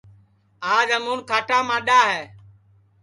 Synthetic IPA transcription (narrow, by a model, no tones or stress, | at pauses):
aːd͡ʒəmuːnkʰaːʈaːmãːɗaːɦɛː